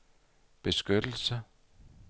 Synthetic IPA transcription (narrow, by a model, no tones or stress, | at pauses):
b̥e̝sɡ̥ød̥l̩sə